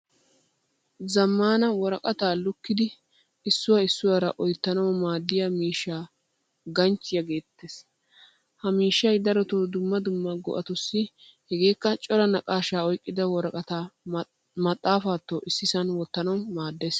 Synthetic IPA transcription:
zɐmːaːnɐwɔɾɐkʼɐt̪aːlʊkːɪd̪ɪ | ɪsːʊwɐɪsːʊwaɾɐʔɔjt̪ːɐnɐwmaːd̪ːɪjamiːʃːaː | ɡɐnt͡ʃːɪjɐɡe̞ːt̪ːeːs | hɐmiːʃːɐjd̪ɐɾɔt̪oːd̪ʊmːɐd̪ʊmːɐɡɔ̰ʔɐt̪ʊsːɪ | hɛɡe̞ːkːɐt͡ʃʼɔɾɐnɐkʼaːʃaːɔjkʼːɪd̪ɐwɔɾɐkʼɐt̪aː | mɐt̪ʼːaːfaːt̪ːoːʔɪsːɪsɐnwɔt̪ːɐnɐwmaːd̪ːeːs

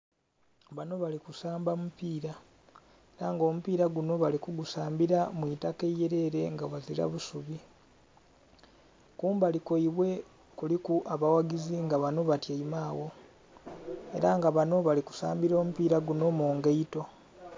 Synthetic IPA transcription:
βano̞βalikusaːmbamupiːɾa | eɾaŋɡo̞ːmupiːɾaɡuno̞βalikuɡusaːmbiɾamwitakejeɾe̞ːɾe̞ŋɡaβaziɾa̰βusuβi | kuːmbaliko̞iβwe̞ | kulikuʔaβawaɡiziŋɡaβano̞βatjaimaːwo̞ | e̞ɾaŋɡaβano̞βaliku̥saːmbiɾo̞ːmupiːɾaɡuno̞moːŋɡeito̞

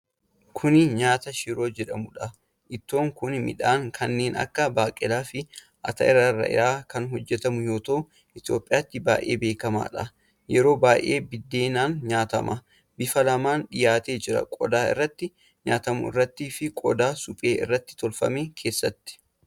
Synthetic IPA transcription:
kʰʊnɪɲaːt̪ɐʃɪɾo̞ːd͡ʒɛᶑɐmʊᶑɐ | ʔɪt̪ːo̞ːŋkʊnmɪ̰ᶑaːŋkʰɐnːe̞ːnɐ̰kːɐbaːkʼɪlaːfɪ | ʔɐ̰t̪ɐʔɪrːɐrːɐ̰ʔɪ̰ɾaːkɐnɦɔd͡ʒːɛt̪ɐmʊjo̞ːt̪ɐʔʊ | ʔɪt̪ɪjo̞ːpʼːɪjaːt̪ːɪba̰ːʔe̞̰ːbeːkɐma̰ːᶑɐ | jɛɾo̞ːbaːʔe̞̰ːbɪd̪ːeːnaːnɲaːt̪ɐ̰mʔɐ | bɪfɐlɐmaːnᶑɪjaːt̪e̞ːd͡ʒɪɾɐ̰kʼɔd̪aːɪ̰rːɐt̪ːɪ | ɲaːt̪ɐmʊ̰ɪ̰rːɐt̪ːiːfɪkʼɔd̪aːsʊpʼe̞ːɪrːɐt̪ːɪ̥t̪ɔlfɐ̰meːkʰe̞ːsːɐt̪ːɪ̥

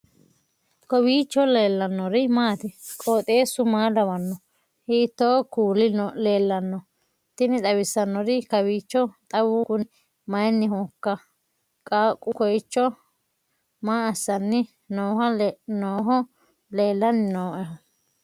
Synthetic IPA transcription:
kɔbiːt͡ʃːɔleːlːɐnːɔɾɪmaːt̪ɪkʼoːt̪ʼeːsʊmaːlɐβɐnːɔ | hit̪ːokuːlɪnleːlːɐnːɔ | t̪ɪnɪt̪ʼɐwɪsːɐnːɔɾɪkɐβiːt͡ʃːɔt̪ʼɐwʊkʊnɪ | mɐjnːɪhɔkːɐ | kʼaːkʼːʊkɔjt͡ʃːɔ | maːɐsːɐnːɪ | noːhɐnoːɦɔ | leːlːɐnɪnoːʔɛɦɔ

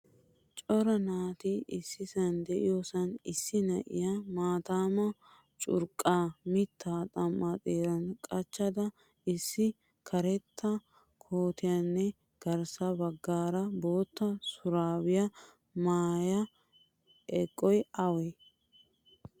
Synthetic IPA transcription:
t͡ʃʼɔɾɐnaːt̪ɪɪsːɪsɐnd̪ɛʔɪjosɐnɪsːɪnɐʔɪ̰jamaːt̪aːmɐ | t͡ʃʼʊ̰ɾkʼːaːmɪt̪ʰːaːt̪ʼɐmːat̪ʼeːɾɐnkʼɐt͡ʃːɐd̪ɐ | ɪsːɪ | kʰɐɾɛt̪ʰːɐ | kʰoːt̪ɪjɐnːɛ | ɡ̥ɐɾsɐbɐɡːaːɾɐbo̞ːt̪ːɐsʊɾaːwɪjɐ | maːjɐ | ʔɛkʼːɔjɐwe

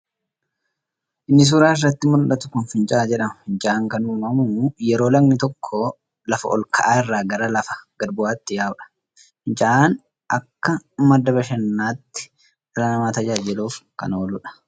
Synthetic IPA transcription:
ʔɪnːɪs̬uːɾaːɪrːɐt̪ːɪmʊlɗɐt̪ʊ̥kʊnfɪnt͡ʃʼaːd͡ʒɛᶑɐmɐhɪnt͡ʃʼaʔaːŋkɐnʊmːɐmʊjɛɾo̞ːlɐɡnɪt̪ɔkʰːɔ | lɐfɐ̰ʔɔlkʰɐ̰ʔaːɪrːaːɡɐɾɐlɐfɐ̥ɡ̥ɐɾbʊaːt̪ːɪjaːʊᶑɐ̥ | hɪnt͡ʃʼaʔaːn | ʔɐkːɐmɐd̪ːɐbɐʃɛnːaːt̪ːɪ̥ | rɐnɐmaːt̪ɐd͡ʒaːd͡ʒɪluːfkɐ̰noːlʊᶑɐ̥

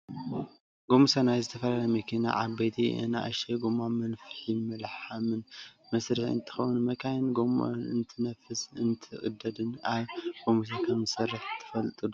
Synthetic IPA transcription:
ɡomusɐnajzɨt̪ʰɐfɐlalɐmɐkʰina̰ʕa̰βbejt̪ʰḭɨ̰na̰ʔɐ̰ʃeɡomamɐnfɨ̥ħimɨlħamɨnmɐsɾɨħɨ̰nt̪ʰɨ̥xɐwnmɐkʰajɨnɡoma̰nɨnt̪ʰɨnɐfɨsɨnt̪ʰɨʔʼɨ̰d̪ːɐd̪ɨnaβɡ̥omus̬akʰɐmɨsɐrːɐħt̪ʰːɨ̥fɐlt̪ʼɨd̪u

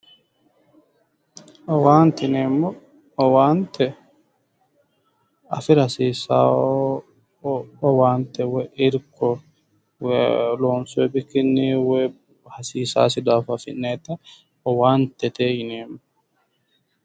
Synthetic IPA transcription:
ɔwaːnt̪ɪneːmːɔ | ɔwaːnt̪ɛ | ɐ̰fɪɾhɐsiːsa̰ː | ɔwaːnt̪ɛwɛʔɪɾkɔ | wloːnsʊɛbɪkːɪnːiwɛ | hɐsiːsa̰ːs̬ɪd̪aːfɐfɪ̰nːeːt̪ɐ | ɔwaːnt̪ɛt̪eːjɪneːmɔ

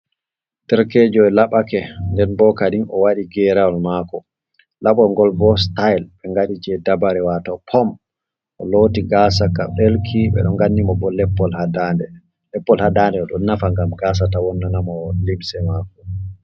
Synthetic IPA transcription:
tɛɾked͡ʒɔɛlaɓakɛndɛnbɔkadinɔwaɗiɡɛɾawɔlmakɔ | laɓɔŋɡɔlbɔstajlɓɛŋɡaɗid͡ʒɛdabaɾɛwatɔpʰɔm | ʔɔ̰lotiɡasakaɓelkʰiɓɛ̰ɗɔŋɡanːimɔbɔlɛpːɔlhadandɛ | lɛpːɔlhadandɛɔɗɔnnːafaŋɡamɡas̬atawɔnːanamɔlibsɛmakɔ

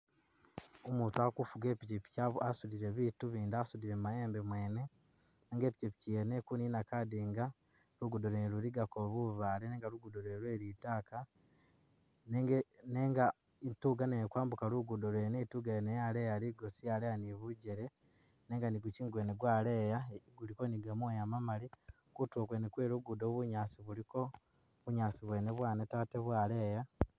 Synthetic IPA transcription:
omuːtuakufuɡe̞ːpicipi̥caasudiɾe̞βituβiːndasudiɾemmajeːmbemwe̞ːne̞ | neːŋɡe̞ːpicipi̥cijenekuniːnakadiŋɡa | luɡudoɾeɾuɾiɡakoβuβaleneːŋɡaɾuɡudoɾeːɾwe̞ːɾitaːka | nneːŋɡa | ituɡanekwaːmbukaluɡudolwenetuɡaenejalejaliɡosijalejaniβuɟeɾe̞ | neːŋɡaniɡuciːŋɡwe̞ːneɡwaːle̞jaɡulikoniɡamojamamali | kutoːkwenekweːɾuɡudoβuɲaːsiβuliko̞ | βuɲaːsiβwe̞ːne̞βwaːnetaːteβwaːleːja

